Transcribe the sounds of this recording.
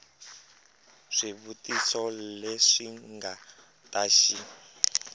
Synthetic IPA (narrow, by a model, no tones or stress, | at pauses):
ʂiβutisɔleʂiŋɡa | taʃi